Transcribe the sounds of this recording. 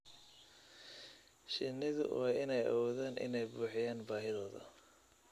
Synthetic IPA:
ʃɪnːɪðʊ̰wɑːɪnɛjʔɐ̰wɔːðaːnʔɪ̰nɛjbuːħɪjaːnbaːɦɪðɔːðɐ̰

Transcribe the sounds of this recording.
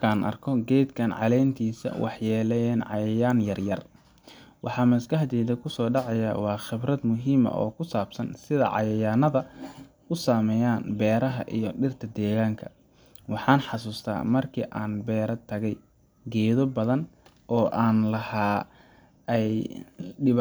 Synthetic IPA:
kʰaːnʔɐ̰rkʰɔɡɛjd̪kʰɐnʕɑ̰lɛjnt̪ʰiːsɐ̰wʔɑ̰ħjɛːlɛnʕɑjɐjaːnjɐrjɐr | wʔɑħɑːmɐsɡɐħd̪ɛːðɐkʰʊsɔːɖɑʕɑjɐwɑːxɪbrɐd̪mʊɦiːmɐ̰ʔɔ̰ːkʰʊsaːbsɐnsɪðɐ̰ʕɑ̰jɐjaːnɐðɐ | ʊsaːmɛjaːnbɛːɾɐɦɐ̰ʔḭjɞɖɪrt̪ʰɐd̪ɛːɣaːŋkʰɐ̥ | wɑħɑːnħɑsuːst̪ʰa̰ːmɐrkʰiːʔaːnbɛːɾɐt̪ʰːɐɣɛj | ɡɛːðɔbɐðɐn | ʔɔːʔaːnlɐhaː | ɛjɖɪ

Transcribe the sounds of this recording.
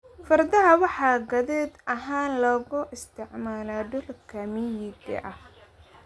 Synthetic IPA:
fɐrd̪ɐɦɐwɑħɑːɡɐðɛːd̪ɐɦaːnlɔːɣʊʔɪst̪ʰɪʕmaːlaːdʊlkʰɐmɪjɪɡɐ̰ʔɐh

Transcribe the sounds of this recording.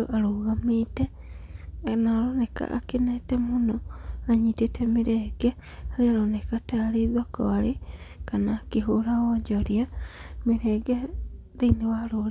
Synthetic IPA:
oʔaɾuːɣamite | naloneka̰ʔa̰kinatemunoaɲitetʰemiɾeɡe | halialonekataliðwako̰alikanakiɦulaɣoːɲɟoɾjamiɾeɡe | ðiniwalol

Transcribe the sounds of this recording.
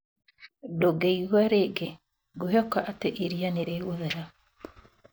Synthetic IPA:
doɡeiɣwaɾeɡe | ɡoɦɔkaʔateʔiɾianeɾeɣoðeɾa

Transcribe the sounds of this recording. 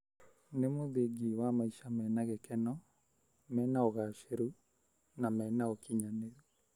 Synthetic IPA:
nemoðeɡiwamaiʃamɛnaɣɛkɛnɔ | mɛːnaoɣaʃeɾu | namɛnaokiɲaneɾu

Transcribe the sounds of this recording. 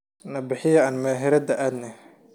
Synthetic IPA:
nɐbɪħɪjɐaːnmɛːɦɪɾɐd̪ɐʔaːd̪nɛ

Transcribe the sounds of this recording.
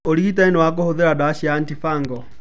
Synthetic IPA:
oliit̬ainɛwak̬ohoðeɾadaʃiantifaŋɡɔ

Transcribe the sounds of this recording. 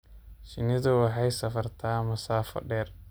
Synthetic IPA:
ʃɪnɪðʊwɑħɑjsɐfɐrt̪ʰaːmɐsaːfɔ̰ɖɛːr

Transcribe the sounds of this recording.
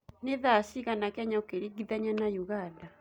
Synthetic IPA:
neðasiɣanakɛɲaokeɾiɡiðaɲanajuɣada

